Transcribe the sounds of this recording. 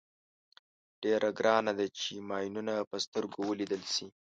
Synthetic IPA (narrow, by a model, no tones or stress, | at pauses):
ɖ̥eɾʔaɡɾɑnad̪at͡ʃemɑjnunapəst̪əɾɡowəlid̪əlsi